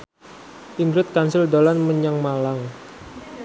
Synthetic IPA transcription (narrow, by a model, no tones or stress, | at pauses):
iŋɡɾʊt̪̚kansɪldolanməɲaŋmalaŋ